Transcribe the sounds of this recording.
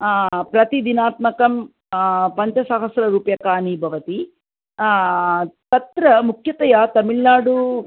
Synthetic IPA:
pɾɐt̪id̪inaːt̪mɐkɐm | pɐɲt͡ʃɐsɐɦɐsɾɐɾuːpjɐkaːnibʱɐʋɐt̪i | t̪ɐt̪ɾɐmukʰjɐt̪ɐjaːt̪ɐmiɭnaːɽu

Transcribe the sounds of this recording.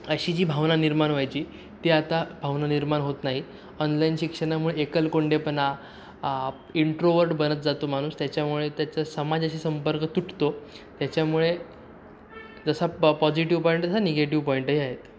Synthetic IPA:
əɕiːd͡ʑiːbʱaʋnaniɾmanʋajt͡ɕiː | t̪iat̪abʱaʋnaniɾmanɦot̪naɦi | ɔnlainɕikʂənamuɭeekəlkoɳɖepəna | iɳʈɾoʋəɾʈbənət̪̚d͡zat̪omaɽ̃uːst̪jat͡ɕjamuɭet̪jat͡səsəmad͡zəɕiːsəmpəɾkət̪uʈʰt̪o | t̪jat͡ɕjamuɭe | d͡zəsapɔd͡ʑiʈiʋpɔiɳʈd͡zəsaneɡeʈ̬iʋpɔiɳʈəɦiaɦet̪

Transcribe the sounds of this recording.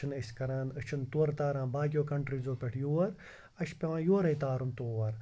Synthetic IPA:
ɨnəsʲkɐɾãːnət͡ʃʰɨnt̪uːɐɾt̪aːɾãːnbaːɡʲjoːkɐɳʈɾizoːpʲeʈʰjoːɐɾ | ɐʃpʲɐʋãːjoːɾɐjt̪aːɾunt̪oːʋɐɾ

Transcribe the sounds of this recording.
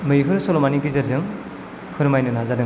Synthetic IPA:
mɯjɦɯɾsɔlɔmaniɡizɯɾzɯŋ | kʰɯɾmajnɯnazanɯ

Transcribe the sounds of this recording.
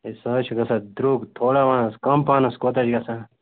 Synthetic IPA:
isɐt͡ʃʰuɡɐsad̪ɾuːɡt̪ʰoːɽaʋaːnɐskɐmpaːnɐskoːt̪ɐd͡ʒɡɐsa

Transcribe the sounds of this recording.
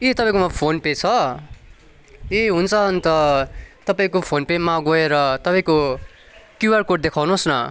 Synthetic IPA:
et̪ʌpãĩkomʌpʰonpet͡sʰʌ | eɦunt͡sʰʌɦʌnt̪ʌt̪ʌpãĩkopʰonpemaɡoeɾʌt̪ʌpaĩko | kjuarkoʈ̚d̪ekʰawnosnʌ

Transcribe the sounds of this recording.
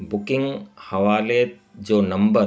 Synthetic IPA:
bʊkɪ̃ŋɡhɐʋaːle | d͡ʒoːnɐmbə

